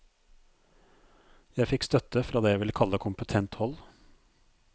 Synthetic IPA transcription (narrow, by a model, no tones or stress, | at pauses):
jæɪfɪkst̪œt̪əfɾʔɑːd̪eːjæɪʋɪləkʰɑləkʰʊmpət̪ʰɛnt̪hɔl